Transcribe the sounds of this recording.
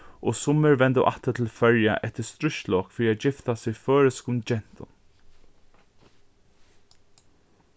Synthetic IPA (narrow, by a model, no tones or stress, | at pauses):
ʔɔsʊmːɪɹvɛnt̪əʔa̰ht̪ət̪ʰɪlfœɹja̰ʔɛht̪əst̪ɾʊʃlɔːkfɪːɾiad͡ʒɪft̪asɪfœːɹɪskʊnd͡ʒɛn̥t̪ʊ̰n